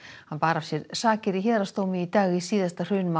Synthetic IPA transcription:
hanpaːɾav̥sjɛɾsaːcɪɾiçɛːðɾast̪oːwmɪit̪aːɣisiːðast̪ar̥ʏːnma

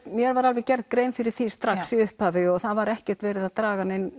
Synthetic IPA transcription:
mjɛɾvaɾalvɛcɛɾð̚kɾeːjmfɪɾɪɾ̥θist̪ɾaxsiʏhpaːvɪɔɣθaðvaɾɛhcɛr̥t̪vɛːɾɪðat̪ɾaːɣanen

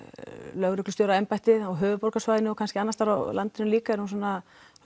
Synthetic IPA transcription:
lœɣɾʏklʏst̪jowɾaɛmpajt̪ɪðɔɣɦʏːvʏpowɾkasvajɪnɪɔkʰanscɪanːast̪aɾawlʔant̪ɪnʏmliːkaɛɾhunsɔːna

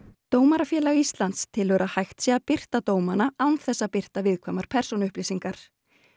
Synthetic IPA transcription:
t̪oːwmaɾafjɛːlaɛɣist̪lant̪st̪ʰɪlvœɾahajxt̪sɛapɪr̥t̪at̪oːwmanaawnθɛsːapɪr̥t̪avɪðkʰvaːmaɾ̥pʰɛ̥sɔnʏhpliːsiŋkaɾ̥

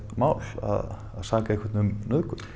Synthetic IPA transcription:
maːwla̰ð | a̰ðsaːkaehkʰvaɾt̪nʏmnœðkʏ

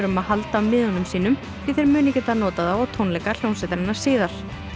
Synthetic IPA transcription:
ɾʏmaðhalt̪aamɪːðɔnʏmsiːnʏm | fɾiθeɪɾmʏːnɪcɛːt̪anɔːt̪aðawawt̪ʰownlɛkal̥jownsɛt̪ɾanːḁsɪːðaɾ̥

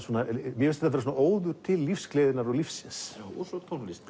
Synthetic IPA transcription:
sɔːnamjɛɪsɛ̥θafɛɾs̬uːnʔoːwðʏɾ̥t̪ʰɪlːifsklejðɪnaɾɔɣlifsːɪnsjawɔsɔt̪ʰonlist̪

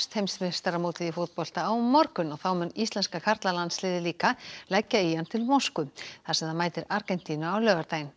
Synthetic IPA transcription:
st̪hejmst̪mɪ̥st̪aɾamoːwt̪ɪðifʊt̪̚pɔl̥t̪aːwːɔɾkʏnɔɣθawmʏnist̪lɛnskakʰaɾt̪lalant̪slɪːðɪliːkalɛcːaiant̪ʰɪlmowskʏθasɛmðanmaːjt̪ɪɾaɾkɛn̥t̪iːnʏawlœːvaɾt̪aːjn

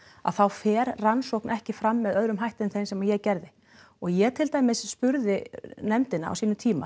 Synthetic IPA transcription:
a̰ðθawfɛːɾransowknʔɛhcɪfɾamːɛðœðɾʏmɦajht̪ɪʏnθejnsɛmajɛɣcɛɾðɪ | ɔɣjɛɣt̪ʰɪlt̪ajmɪsspʏɾðɪnɛmt̪ɪnaa̰wsiːnʏt̪ʰiːma̰

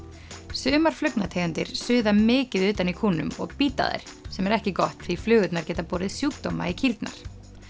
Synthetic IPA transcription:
sʏːmaɾ̥flʏknat̪ʰeːjʏnt̪ɪɾ̥sʏːðamɪːcɪðʏːt̪anikʰuːnʏ̰mɔ̰ɣpiːt̪a̰ðḛjɾ̥sɛmɛɾɛhcɪkɔht̪θiflʏːɣʏt̪naɾ̥cɛːt̪apɔːɾɪðsjuːkt̪oma̰icʰilt̪na̰ɾ̥

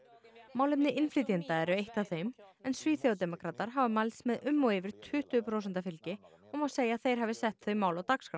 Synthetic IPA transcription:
maːwlɪpnɪʔɪnflɪːt̪int̪aɛɾʏejht̪awθejmɛnsviːθjowt̪ɛmɔkʰɾaːt̪aɾ̥ɦavɪmalsmɛðʔʏmːɔɣɪvɪɾ̥t̪ʰʏht̪ʏːpʰɾows̬ɛnt̪afɪlcɪɔmawseːjaːθejɾ̥ɦavɪsɛht̪θœɥmawlawt̪akskɾa

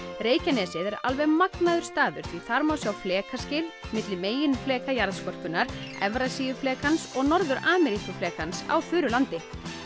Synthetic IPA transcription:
ɾeːjcanɛːsɪðɛɾa̰lvɛɣmaknaðʏɾ̥st̪aːðʏɾ̥θviθaɾmawsjawflɛːkascɪlmɪt̪lɪmeːjɪnflɛːkajaɾðskɔr̥kʏnːaɾ̥ɛvɾasijʏflɛːkansɔɣnɔɾðʏɾaːmɛɾikʏflɛːkansa̰wfʏːɾʏlant̪ɪ

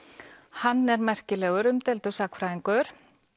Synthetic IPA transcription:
hanːɛɾmɛr̥cɪlɛːɣʏɾʏmt̪ɛlt̪ʏsakfɾaːiŋkʏɾ̥

